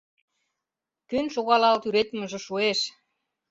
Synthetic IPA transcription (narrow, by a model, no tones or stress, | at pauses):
kønʃoɣɑlɑlt̪yɾet̪mə̆ʒɤ̆ʃueʃ